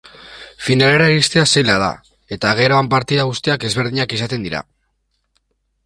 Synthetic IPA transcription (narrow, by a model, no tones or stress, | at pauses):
finale̞ɾaeɾist̪easejlað̞a̰ | e̞t̪aɣ̞e̞ɾoampaɾt̪iðaɣust̪iake̞zβ̞e̞ɾðiɲakisat̪e̞nd̪iɾa̰